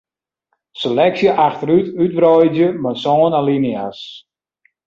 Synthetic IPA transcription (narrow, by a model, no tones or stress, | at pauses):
selɛksjəʔaxtəɾytyt̚brɔjdjəmasɔːnalinias